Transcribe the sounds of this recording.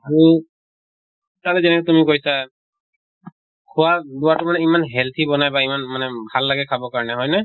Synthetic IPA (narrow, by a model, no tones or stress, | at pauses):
aɹu | talɛzɛnɛkɛtumikojsa | kʰuwaduwatʊmanɛimanɦɛlt̪ʰibɔnajbaimanmanɛbʱalːaɡɛkʰabɔkaɹɔnɛɦɔjnɛ